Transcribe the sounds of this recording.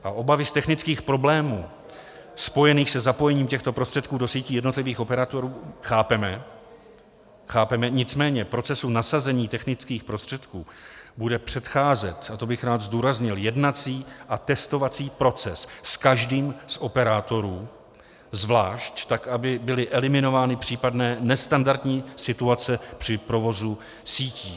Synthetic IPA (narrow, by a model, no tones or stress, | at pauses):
ʔaʔo̞bavɪst̪ɛxnɪt͡skiːxpɾo̞blɛːmuː | spo̞jɛniːxsɛzapo̞jɛɲiːmcɛxt̪o̞pɾost̪r̥ɛt̪̚kuːdo̞siːciːjɛdno̞t̪lɪviːxʔo̞pɛɾat̪o̞ɾuːxaːpɛmɛ | xaːpɛmɛɲɪt͡smɛːɲɛpɾo̞t͡sɛsunasazɛɲiːt̪ɛxnɪt͡skiːxpɾo̞st̪r̥ɛt̪kuːbudɛpr̝̥ɛt̪xaːzɛt̪at̪obɪxɾaːd̪zd̪uːɾazɲɪljɛdnat͡siːʔat̪ɛst̪o̞vat͡siːpɾo̞t͡sɛsskaʒdiːmsʔo̞pɛɾaːt̪o̞ɾuː | zvlaːʃct̪akabɪbɪlɪʔɛlɪmɪno̞vaːnɪpr̝̥iːpadnɛːnɛst̪andaɾt̪ɲiːsɪt̪uat͡sɛpr̝̥ɪpɾo̞vo̞zu | siːciː